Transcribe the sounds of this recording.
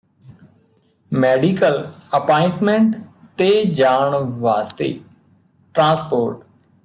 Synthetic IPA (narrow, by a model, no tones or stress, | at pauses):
mɛːɖikələpaːɪɳʈmẽɳʈ | t̪ed͡ʒaːɳʋaːst̪ḛː | ʈɾãːspoːɾʈ